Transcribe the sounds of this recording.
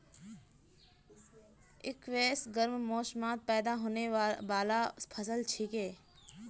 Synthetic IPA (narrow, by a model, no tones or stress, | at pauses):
ɪkʋeːsɡəɾmmoːʃmaːt̪̚pɛːd̪aːɦoːneːʋaːlaːpʰəsəlt͡ʃʰikeː